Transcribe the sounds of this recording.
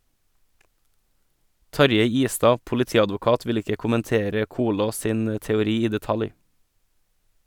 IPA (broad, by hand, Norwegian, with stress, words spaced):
ˈtɑɾjeɪ ˈiːˌstɑː pʊlɪˈtiːɑdʋʊˌkɑːt ˈʋɪl ˈɪkə kʊmənˈteːɾə ˈkuːloːs ˈsiːn ə tɛʊˈɾiː ˈiː dɛˈtɑlj